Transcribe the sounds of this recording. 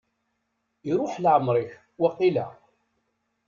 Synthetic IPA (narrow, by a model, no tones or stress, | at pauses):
iɾˤʊħlʕəmːɾˤiç | wɑqːilæ